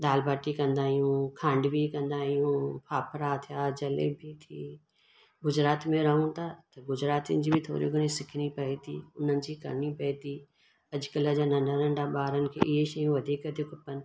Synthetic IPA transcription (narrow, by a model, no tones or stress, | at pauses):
d̪aːlbaːʈikɐ̃nd̪aːɦijũkʰãːɳɖbʱikɐ̃nd̪aːɦijũːpʰaːpʰəɾaːt̪ʰjaːd͡ʒɐlḛbʱit̪ʰiː | ɡʊd͡ʒɾaːt̪mẽɾɐɦũt̪at̪ɐɡʊd͡ʒɾaːt̪ind͡ʒiːbʱit̪ʰo̰ːɾḭɡʊnĩsɪkʰnipɐet̪ʰiːʊnənɪ̆d͡ʒikɐ̰ɾnipɐet̪iː | ɐd͡ʒkələd͡ʒanɐ̃ɳɖaɾə̃ɳɖabaːɾənkʰḛʔɪeʃɐjũʋɐd̪ʱiːkəd̪ɪkʊpən